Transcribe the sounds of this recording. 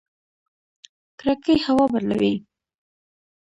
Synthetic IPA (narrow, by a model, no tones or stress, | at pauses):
kɾakəjhawɑbaɾla̰wi